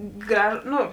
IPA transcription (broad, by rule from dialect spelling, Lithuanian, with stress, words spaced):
ˈɡrɐʃ ˈnʊ